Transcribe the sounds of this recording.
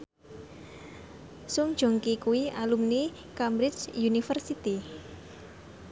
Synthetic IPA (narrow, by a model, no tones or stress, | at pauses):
sʊŋd̥ʒ̥oŋkikuwialumni | kambɾɪt͡ʃjunifərsit̪i